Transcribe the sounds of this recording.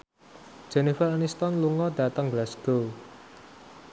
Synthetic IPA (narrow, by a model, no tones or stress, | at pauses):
d̥ʒ̥ɛnifaɾanist̪ɔnluŋɔd̪̥ä̤t̪əŋɡlasɡ̥o